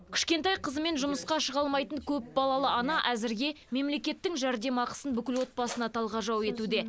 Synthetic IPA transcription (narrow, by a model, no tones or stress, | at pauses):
kʲʰʏ̥ʃkʲe̞nt̪ɑjqʰəzəme̞nʒʊməsqɑʃəʁɑlˠmɑjt̪əɴkʲʰɵp̚bɑlˠɑlˠəɑnɑʔæzɪɾɡʲe̞ | me̞mle̞kʲe̞t̪ːɪŋʒæɾd̪e̞mɑqə̥sənbʏkʲɪlwo̞t̪̚pɑsənɑt̪ʰɑlˠʁɑʒɑwe̞t̪ud̪e̞